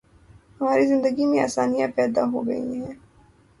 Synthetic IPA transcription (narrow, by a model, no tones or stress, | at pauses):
hɐmaːɾizɪ̃nd̪əɡimẽa̰ːsaːnijapɛːd̪aɦo̰ɡɐ̰ḭɦɛ̃ː